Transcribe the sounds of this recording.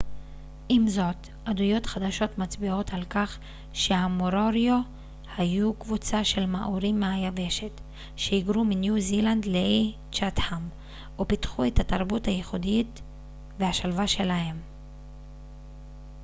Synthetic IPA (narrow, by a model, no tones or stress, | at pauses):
ʔimzo̞t | ʔadujo̞tχad̪aʃo̞t̪mat͡sbio̞talkaχ | ʃe̞hamoɾo̞ɾjo | hajukvut͡saʃe̞lmaʔuɾimːeajave̞ʃe̞t | ʃehiɡɾuminjuziland̪le | t͡ʃat̪ham | upitχuethataʁbuthajeχudit | vehaʃalvaʃe̞lahe̞m